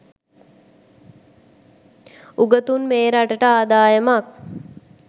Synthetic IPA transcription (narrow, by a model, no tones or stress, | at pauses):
uɡət̪unmeːɾaʈəʈəaːd̪aːjəmak